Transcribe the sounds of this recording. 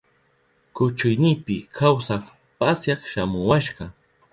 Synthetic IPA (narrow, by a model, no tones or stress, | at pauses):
kʊt͡ʃʊjnɪːpɪkʰawsɑχ | pasjɑχʃamʊwaʃɢɑ